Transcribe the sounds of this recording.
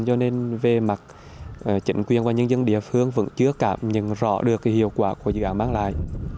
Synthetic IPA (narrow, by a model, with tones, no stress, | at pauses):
zɔ˧ne˧nve˨˩ma˨˩t̚ | ʔt͡ɕï˧˩˦ŋ̟kwi˨˩ənvaː˨˩ɲə˧nzə˧nɗḭ˧˨əfɨ˧əŋvə̰˧˥nt͡ɕɨ˦˥əkaː˧˥mɲə̰˧˨nzɔ̰˧˥ɗɨ˨˩əkːaː˨˦jhḭ˧˨əwkwaː˧˩ku˧˩əzɨ̰˧˨ʔaː˧˩nmaː˧ŋla̰ː˧˨jʔ